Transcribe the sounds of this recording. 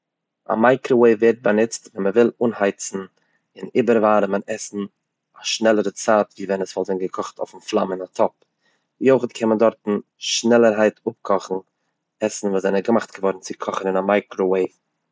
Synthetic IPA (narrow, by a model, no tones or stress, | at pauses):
a̰maɪkɾoweɪveːɾt̚banɪt͡stvɛnməvɪlˠuːnhaɪt͡sn̩ | ɪnibəɾvaːɾəmənɛsn̩ | aʃnɛlˠəɾət͡saːtviːvɛnəsvɔlˠzɪnɡəkʰɔχtʰoʊfn̩flˠa̰mɪnatʰɔp̚ | joɪχətkʰɛnməndɔɾtn̩ | ʃnɛlˠəɾɦaɪtʊp̚kʰɔχn̩ | ɛsn̩vuːszɛnəɡəmaχtɡ̥əvɔɾn̩t͡sɪkʰɔχənɪnamaɪkɾoweɪv